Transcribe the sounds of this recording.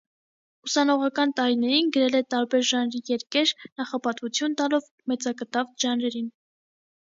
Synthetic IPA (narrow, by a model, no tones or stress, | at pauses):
usɑnɔʁɑkɑnt̪ɑɾinɛɾinɡəɾɛlɛt̪ɑɾbɛɾʒɑnɾijɛɾkɛɾnɑχɑpɑt̪vut͡sʰjunt̪ɑlɔv | mɛt͡sɑkət̪ɑvʒɑnɾɛɾin